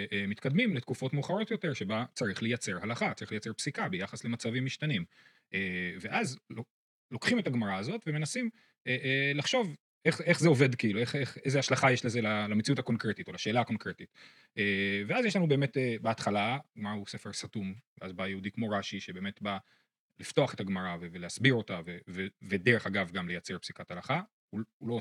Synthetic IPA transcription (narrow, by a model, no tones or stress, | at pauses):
emit̪kad̪mimletkufo̞tmeuχaʁo̞tjo̞te̞ʁʃe̞bat͡saʁiχle̞jat͡se̞ʁhalaχat͡saʁiχlejat͡se̞ʁpsikabejaχasle̞mat͡savimːiʃt̪anim | ʔeveʔazlo | lo̞kχimetaɡmaʁaːzo̞tve̞me̞nasim | eʔlaχʃo̞v | e̞χe̞χzeo̞ve̞dkiilueχeχezeaʃlaχajeʃlezelalamet͡siutako̞nkʁetito̞laʃeːlaːko̞nkʁetit | eveazjeʃlanubeːme̞tebeatχalamause̞fe̞ʁsatumvḛazbajeudikmo̞ʁaʃiʃebe̞ːme̞tba | lifto̞aχe̞taɡmaʁaveveleasbiʁo̞tavevevedeʁeχaɡavɡamle̞jat͡seʁpsikathalaχa | uulo